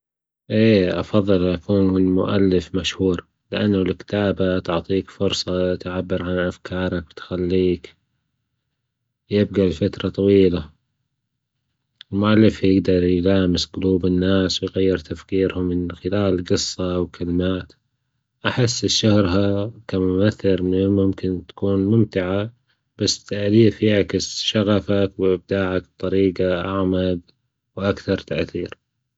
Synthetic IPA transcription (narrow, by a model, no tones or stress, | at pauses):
ʔeːʔɑ̰fɑðˤːɨlʔakuːnɪlmʊ̰ʔa̰lːɪfmaʃhuːɾ | lɪʔanːalkt̪aːbat̪ʊʕt̪ˤiːkfʊɾsˤɑt̪ʕabːɪɾʕanʔafkʰɑːɾˤɑk̚wt̪xalːiːk | jɪb̚ɡalfat̪ɾˤɑt̪ˤɑwiːla | ɪlmʊʔalːɪfjɪɡd̪ɑɾˤjlaːmɪsɡʊluːbɪnːaːswɪjɣajːɪɾt̪afkiːɾhʊmːɪnxɪlaːlɡɨsˤːɑwkʰalmaːt̪ | ʔaħɪsːɪʃːʊhɾɦakamʊmaθːɪɾmmʊmkɪnt̪ḁkuːnmʊmt̪ɪʕa | b̥asːt̪ʰaʔliːfjaʕkɪsʃaɣafakwɪb̚d̪aːʕak̚b̚t̪ˤɑɾiːɡaʔaʕmad̪ | wʔakθɑɾˤt̪aʔθiːɾ